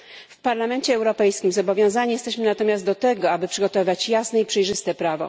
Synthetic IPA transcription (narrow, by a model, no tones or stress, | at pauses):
fpaɾlamɛɲt͡ɕɛːwɾɔpɛjskʲimzɔbɔvʲjɔ̃w̃zaɲijɛst̪ɛɕmɘnat̪ɔmʲjazd̪d̪ɔt̪ɛɡɔabɘpʂɘɡɔt̪ɔvɘvat͡ɕjasnɛipʂɛjʐɘst̪ɛpɾavɔ̰